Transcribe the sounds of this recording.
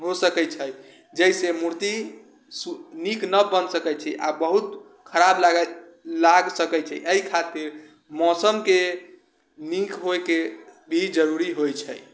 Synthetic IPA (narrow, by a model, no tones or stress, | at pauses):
ɦosəkɛt͡ʃʰəj | d͡ʒəɦsemuɾt̪i | suniknəbənsəkɛt͡ʃʰɛʔa̰bəɦut̪ | kʰəɾablaɡ | laɡsəkɛt͡ʃʰɛʔəikʰat̪iɾ | mɔsəmke | nikʰɦoekebʱid͡ʒəɾuɾiɦojt͡ʃʰəj